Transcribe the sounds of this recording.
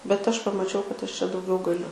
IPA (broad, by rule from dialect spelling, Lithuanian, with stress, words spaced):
bʲɛt ˈɐʃ pɐmɐˈt͡ʃʲɛʊ kɐt ˈɐʃ t͡ʃʲɛ dɐʊˈɡʲɛʊ ɡɐˈlʲʊ